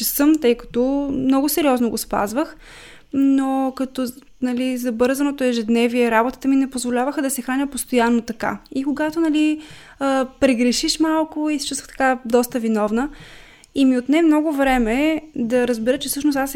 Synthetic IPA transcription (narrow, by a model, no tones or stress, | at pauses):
t͡ʃɛsɤmt̪ɤjkɐ̥t̪ɔmnɔɡʊsɛɾiɔznoɡospa̰zvəx | nokɐt̪ɔ | nɐlizɐbɤɾzənot̪oɛʒɛd̪nɛviɛɾabot̪ə̥t̪əminɛpozvolʲavəxəd̪ɐsɛxanʲəpost̪ojanːot̪ɐka̰ikoɡat̪onɐli | əpɾɛɡɾɛʃiʃmalˠkʊisi̥t͡ʃust̪vəxt̪ɐ̥kad̪ɔst̪əvinɔvnə | imiot̪nɛmnɔɡʊvɾɛmɛd̪ɐɾəzbɛɾət͡ʃɛfsɤʃnost̪as